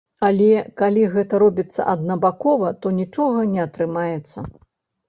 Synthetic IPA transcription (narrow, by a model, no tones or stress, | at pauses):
alʲɛkalʲiɣɛt̪ɐɾɔbʲit̪sːɐ̰ʔɐd̪nɐbakɔvɐt̪ɔnʲit͡ʂɔɣɐnʲɛɐt̪ɾɨmajɛt̪sːɐ̰